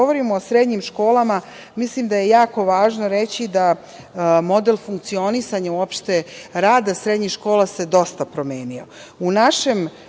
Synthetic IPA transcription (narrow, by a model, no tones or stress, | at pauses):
oʋoɾimoːsɾe̞d̪ɲimʃko̞ːlˠama | mislimd̪aje̞jaːko̞ʋaːʒnoɾe̞t͡ɕid̪a | mo̞d̪elˠfuŋk̚t̪sio̞nisaɲauopʃt̪e̞ɾaːd̪asɾe̞d̪ɲixʃko̞ːlˠase̞d̪o̞st̪apɾo̞meːnio̰unaʃem